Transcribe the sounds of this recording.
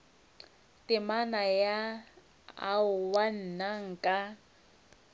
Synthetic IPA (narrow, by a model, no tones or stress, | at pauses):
tʼɪmanaja | a̰ʊwan̩naŋ̩kʼa